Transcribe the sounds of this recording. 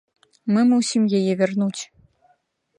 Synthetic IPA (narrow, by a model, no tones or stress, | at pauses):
mɨmusʲimjajɛvʲɛrnut͡sʲ